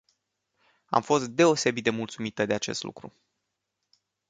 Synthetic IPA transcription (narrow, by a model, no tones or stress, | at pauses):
a̰mfo̞st̪̚d̪e̞o̞se̞bit̪̚d̪emult̪sumit̪əd̪e̞at͡ʃe̞̰st̪lṵkɾṵ